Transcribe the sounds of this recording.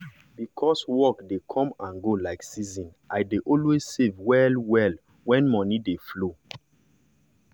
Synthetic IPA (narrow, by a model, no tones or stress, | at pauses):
bikʰɔswɔkdekʰɔ̃mãnɡolaɪksizɔ̃nʔaɪdeʔɔlwezsevwɛlwɛl | wɛ̃nmɔ̃nideflo